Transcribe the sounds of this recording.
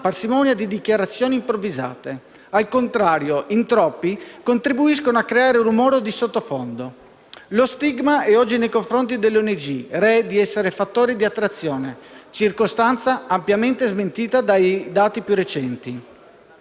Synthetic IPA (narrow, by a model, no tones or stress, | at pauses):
parsimɔːnjad̪id̪ikjaɾat̪sːjoːnimpɾovːiza̰ːt̪e | alkont̪ɾaːɾjoʔint̪ɾɔpːikont̪ɾibuis̬konoakːɾeaːɾeunumɔːɾod̪isot̪ːofond̪o | lost̪iɡmaɛɔd͡ʒːinejkoɱfɾont̪id̪elːɔned͡ʒirɛd̪iɛsːeɾefat̪ːoːɾid̪iat̪ːɾat̪sːjɔːnet͡ʃirkost̪ant̪saampjament̪ezment̪iːt̪ad̪ajd̪aːt̪ipjurːet͡ʃɛnt̪i